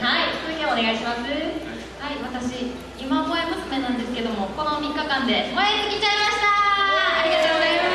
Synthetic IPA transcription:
haifkɯɲʲoːne̞ɡaiɕimasɨ | haiβat̪aɕi | imaboemɯsɨmẽ̞nãnd̪e̞sɨ̥ke̞d̪o̞mo̞ko̞no̞mʲikːakãnd̪e̞mojet̪ːekʲit͡ɕaimaɕi̥t̪aːɾʲiɡat̪oːɡozaima

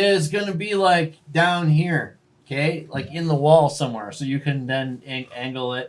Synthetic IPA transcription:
ɪzɡʌnɨbilaɪk̚d̥ãʊ̃nɦiɹ | okʰeɪlaɪkɨ̃nðəwɔlˠsʌ̃mwɛɹsoʊjɨkʰɨ̃nðɨ̃næ̃ŋɡl̩ˠɪt̚

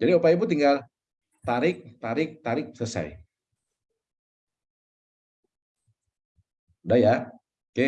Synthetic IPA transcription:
d͡ʒadiupajibut̪iŋɡal | t̪aɾɪk̚t̪aɾɪk̚t̪aɾɪk̚səsa̰j | daja | ke

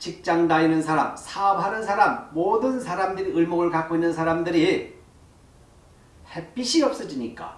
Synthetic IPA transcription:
t͡ɕik̚t͡ɕ͈aŋdainɯnsʰaɾamsʰaʌpʰanɯnsʰaɾamːodɯnsʰaɾamdɯɾiɯɭmoɡɯɭkak͈oinːɯnsʰaɾamdɯɾi | hep͈iɕʰiʌp̚s͈ɯd͡ʑiɲik͈a̰

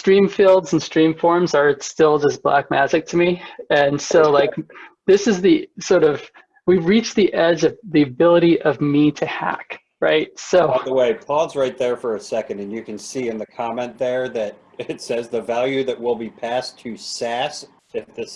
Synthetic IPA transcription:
stɹ̥ĩɱfilˠdzn̩stɹ̥ĩɱfɔɹmzə˞ɨtstɪlˠd͡ʒʌsb̥læ̰k̚mæsɨk̚tʰɨmiɨ̃nsoʊlaɪkðɪsɨzðisɔɹɾʌv̥ | wiɹit͡ʃðiʔɛd͡ʒʌvðiɨbɪlˠəɾiʔʌvmiɾɨhæ̰k | ɹa̰ɪt̚soʊðəweɪpʰɔlˠzɹaɪt̪̚ðə˞fə˞ɨsɛkɨ̃ndɨ̃n̩jɨkɨ̃n̩siɨ̃nðɨkʰɑmɛ̃nðə˞ðɨɾ | ɪɪtsɛzðɨvælˠjʉðɨʔ̚wɪlˠbipʰæstʰɨsæs | ɪfðɪs

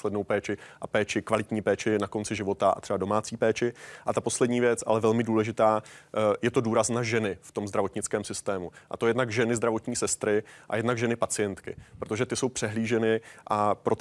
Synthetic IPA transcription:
slɛdnowpɛːt͡ʃɪʔapɛːt͡ʃɪkvalɪt̪ɲiːpɛːt͡ʃɪnako̞nt͡sɪʒɪvo̞t̪aʔa̰t̪r̥ɛbado̞maːt͡siːpɛːt͡ʃɪʔat̪apo̞slɛdɲiːvjɛt͡sʔa̰lɛvɛlmɪduːlɛʒɪt̪aːjɛt̪o̞duːɾaznaʒɛnɪft̪o̞mzdɾavo̞t̪ɲɪt͡skɛːmsɪst̪ɛːmuʔa̰t̪o̞jɛdnaɡʒɛnɪzd̪ɾavo̞t̪ɲiːsɛst̪ɾɪʔa̰jɛdnaɡʒɛnɪpat͡sɪjɛnt̪kɪ̰pɾot̪o̞ʒɛt̪ɪso̞wpr̝̥ɛɦliːʒɛnɪʔapɾo̞t̪

